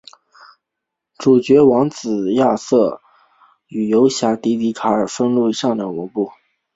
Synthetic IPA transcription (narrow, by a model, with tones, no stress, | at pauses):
ʈ͡ʂu˨˩t͡ɕɥɛ˧˥wɑ˧˥ŋt͡sɹ̩˨˩ja˥˧sɤ˥˩ | y˨˩jo˧˥ʊɕja˧˥t̪i˧˥t̪i˧˥kʰa˧˥ə˞˨˩fə˥nlu˥˩˧i˧˥ʂɑ˥˩ŋd̪ə˩u˧˥pu˥˩